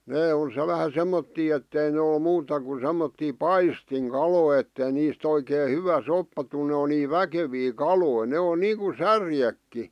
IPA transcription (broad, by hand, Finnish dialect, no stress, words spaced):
neː o se ʋæhæ semːotːiː etːei ne ol muːtɑ ku semːotːiː pɑistiŋkɑloˑĭ etːei niːst oikeː hyʋæ sopːɑ tul ne o niː ʋækeʋiː kɑloi ne o niːŋ̆ku særjekːi